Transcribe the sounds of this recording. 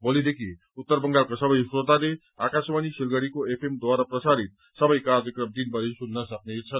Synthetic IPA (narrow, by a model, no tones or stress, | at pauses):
bolid̪ekʰi | ut̪ːʌrbʌŋɡalkasʌbʌjsɾot̪ane | akasmanisirɡʌɽikoepʰemd̪waɾaprʌsaɾit̪̚ | sʌbʌjkard͡zʌkrʌmd̪inpʌɾisunːʌsʌk̚neit̪t͡sʰʌ